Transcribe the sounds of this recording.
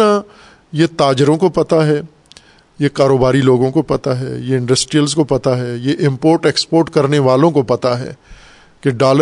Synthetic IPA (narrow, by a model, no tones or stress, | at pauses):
a | jet̪aːd͡ʒəɾõkopɐt̪aɦɛ | jekaːɾoːbaːɾiloːɡõkopɐt̪aɦɛ̰ːjeɪ̃ɳɖəsʈɾijəlzkopɐt̪aɦɛːjeʔɪ̃mpoːɾʈekspoːɾʈkɐɾneʋaːlõkopɐt̪aɦɛ̰ː | keɖaːlə